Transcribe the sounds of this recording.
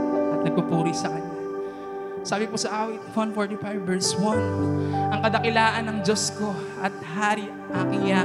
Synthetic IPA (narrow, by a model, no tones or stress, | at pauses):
ʔɐt̪nɐɡ̚pɐpuːɾisɐkɐɲa | saːbɪposɐʔaːwɪt̪fonfoɹt̪ɪfajvːɛɹswɐnʔɐŋkɐd̪ɐkɪlaːʔɐnːɐŋd͡ʒosko̞ʔɐt̪̚haːɾɪ | ʔakɪja